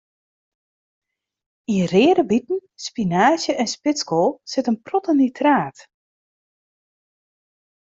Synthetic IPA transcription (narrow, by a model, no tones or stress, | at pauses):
irɪːəɾəbitn̩spinaːzjəʔɛnspɪskoːsɪtənprɔtənitʰraːt